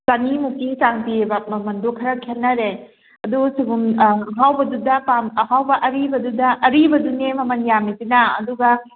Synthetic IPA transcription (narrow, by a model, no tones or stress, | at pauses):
sanimukisaŋpiebɐmɐmɐndukʰɐɾɐkʰenːɐɾe | ɐdusibumɐɦawbɐdudɐpamɐɦawbɐʔɐɾibɐdudɐʔɐɾibɐdunemɐmɐnjamitinɐɐ̰duɡɐ